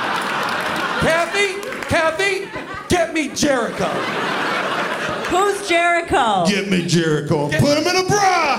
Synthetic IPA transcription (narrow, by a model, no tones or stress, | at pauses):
kʰæθi | kʰæθi | ɡ̥ɛt̚mid͡ʒɛɹɨkoʊ | huzd͡ʒɛɹɨkʰoʊɡ̥ɛt̚mid͡ʒɛɹɨkoʊãpʊɾɨ̃mɨ̃ñəbɹɑ